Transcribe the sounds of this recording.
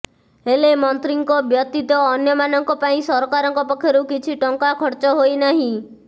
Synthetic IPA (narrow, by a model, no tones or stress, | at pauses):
ɦelemɔnt̪ɾiŋkɔbjɔt̪it̪ɔːnjɔmanɔŋkɔpaĩsɔɾɔkaɾɔŋkɔpɔkʰːjɔɾukit͡ʃʰiʈɔŋkakʰɔɾt͡ʃɔɦojnaɦĩ